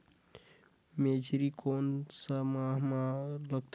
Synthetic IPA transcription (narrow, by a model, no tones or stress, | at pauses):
med͡ʒʱɾikʰonsəmaɦmaləɡ̚t̪ʰ